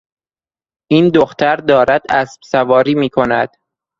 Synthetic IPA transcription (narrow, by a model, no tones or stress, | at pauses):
ʔiːnd̪oxt̪ʰæɾd̪ɒːɾæd̪æsb̥sævɒːɾiːmiːkʰo̞næd̪̥